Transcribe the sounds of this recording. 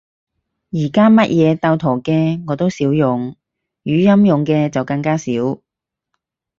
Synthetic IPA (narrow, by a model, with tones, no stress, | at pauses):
jiː˨˩kaː˥mɐ˥t̚jɛː˨˧t̪a˧wt̪ʰɔ˨˩wkɛː˧ŋɔː˨˧t̪o˥wsiː˨˥wjʊ˨ŋ | jyː˨˧jɐ˥mjʊ˨ŋkɛː˧t͡sɐ˨wkɐ˧ŋkaː˥siː˨˥w